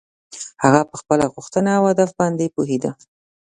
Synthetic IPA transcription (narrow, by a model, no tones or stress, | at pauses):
haɣapəxpəlaɣʊxt̪ənaawhad̪afbɑnd̪epuɦed̪a